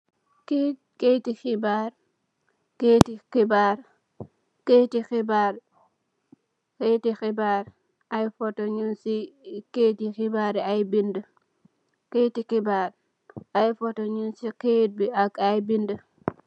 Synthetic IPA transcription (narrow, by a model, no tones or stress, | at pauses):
ke | ketixibaɾ | ketikibaɾ | ketixibaɾ | ketixibaɾ | ajfɔtɔɲunsiketixibaɾajbində | ketikibaɾ | ajfɔtɔɲunsiket̚biaɡajbində